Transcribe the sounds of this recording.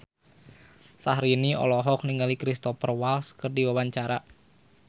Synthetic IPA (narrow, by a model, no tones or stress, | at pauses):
sahɾiniɔ̰lɔɦɔk̚niŋɡalikɾist̪ɔfərwalskərdiwawaɲt͡ʃaɾa